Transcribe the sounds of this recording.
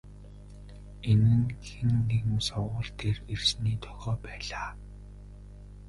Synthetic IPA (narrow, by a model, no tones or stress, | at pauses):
enɘ̆ŋxĕnːeɣm̆usɔwʊ̆ːɮt̪ʰerersniːt̪ʰœ̥xʲɔːpæːɮaː